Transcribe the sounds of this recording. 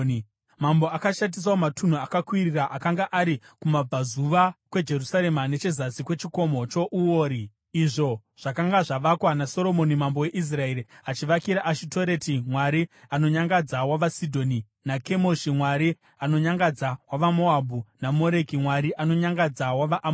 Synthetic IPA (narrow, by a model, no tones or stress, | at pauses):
mambo̞akaʃat̬is̬aomatʰun̤uakakwiriraʔakaŋɡaʔaɾikumab͡vazuʋakwe̞d͡ʒe̞rusaɾe̞mane̞t͡ʃe̞zasikwe̞t͡ʃiko̞mo̞t͡ʃo̞ʔuoːɾi | iʐo̞ʐ̥akaŋɡaʐaʋakwanaso̞ɾo̞mo̞nimambo̞we̞ʔis̬rae̞ɾiat͡ʃiʋakiɾaʔaʃito̞ɾe̞timwaɾiano̞ɲaŋɡad͡zawaʋasidʱo̞ni | nake̞mo̞ʃimwaɾi | ano̞ɲaŋɡad͡zawaʋamo̞abʱunamo̞ɾe̞kimwaɾiʔano̞ɲaŋɡad͡zawaʋaʔ